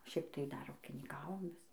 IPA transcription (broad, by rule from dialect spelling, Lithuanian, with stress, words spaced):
ˈʃʲɛɪp tɐɪ ˈdɐr uːkʲɪnʲiːˈkɑːʋoːm ˈʋʲɪs